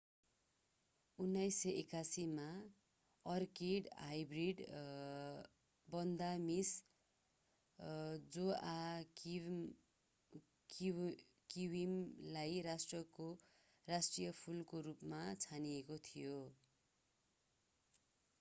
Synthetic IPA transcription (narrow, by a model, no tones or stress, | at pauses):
unːajsːʌʔekasima | ʌrkeɖajbriɖ | bʌnd̪amis | d͡zoa | k | kiwimlajrasʈrʌko | rasʈrijʌpʰulkoɾupmat͡sʰaniekot̪ʰijo